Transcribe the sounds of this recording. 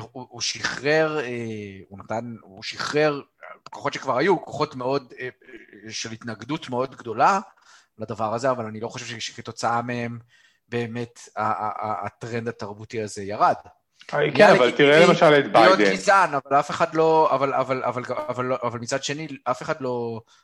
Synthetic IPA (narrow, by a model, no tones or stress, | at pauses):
uuʃiχʁeʁeunat̪anuʃiχʁe̞ʁ | koχo̞tʃekvaʁhajuko̞χo̞tme̞o̞d̪ | ʃelitnaɡdutmeo̞d̪ɡdo̞la | lad̪avaʁazeavalanilo̞χo̞ʃevʃeʃeketo̞t͡saamee̞m | be̞ːme̞taa̰ːt̪ʁe̞nd̪at̪aʁbutiaze̞jaʁad̪ | aavalt̪iʁelemaʃalet̪bajod̪enizanavalafe̞χad̪lo̞avala̰vala̰valɡavalʔavalmit͡sad̪ʃe̞niʔafe̞χad̪lo̞